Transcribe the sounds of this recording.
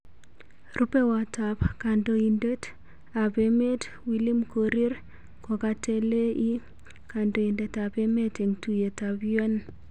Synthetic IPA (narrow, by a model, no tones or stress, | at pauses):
rʔupewatapkandoindet | apemet | wilimkoɾiɾ | kɔkatelei | kandoindetapemeteŋtujetabjon